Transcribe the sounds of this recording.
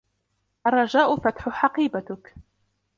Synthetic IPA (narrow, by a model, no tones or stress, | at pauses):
ʔarˤːɑd͡ʒaːʔʊfat̪ħʊħɑqiːbat̪ʊk